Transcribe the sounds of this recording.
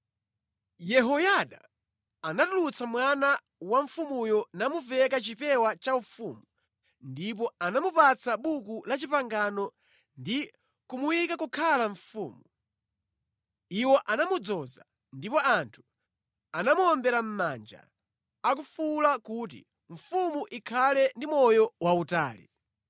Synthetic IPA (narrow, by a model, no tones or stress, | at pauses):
jɛɦɔjaɗa̰ | anatulut͡samwana | waɱ̩fumujɔnamuvɛkat͡ʃipɛwat͡ʃaufuːmu | ndip̬ɔanamupat͡saɓukulat͡ʃipaŋɡanɔ | ndi | kumujikakukʰalaɱfṵːmu | iwɔʔanamud͡zɔza̰ | ndipɔantʰu̥ | anamuɔmbɛɾam̩mand͡ʒa̰ | ak̬ufulakut̬ḭ | ɱ̩fumuʔikʰalɛndimɔjɔwauta̰ːlḭ